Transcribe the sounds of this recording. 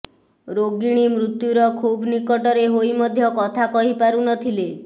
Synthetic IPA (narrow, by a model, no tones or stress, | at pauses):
ɾoɡiɽ̃imɾut̪juɾɔkʰubnikɔʈɔɾeɦojmɔd̪ʱjɔkɔt̪ʰakɔɦipaɾunɔt̪ʰile